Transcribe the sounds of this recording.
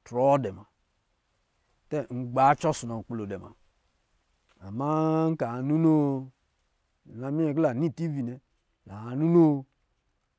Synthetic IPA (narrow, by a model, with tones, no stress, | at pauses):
tɾɔ˨˦dɛ˨ma˨ | tɛ˦ŋ̩˨ɡ͡ba˨˦t͡ʃɔ˦su˨nɔ˨ŋ̩˨k͡plo˨dɛ˨ma̰˨ | a˨ma˦ŋ̩˦ka˨a˨nu˦no˦˨ | a˨mi˦ɛ˨kla˨ni˦˨ti˦vi˨nɛ˨ | la˨a˨nu˦no˦˨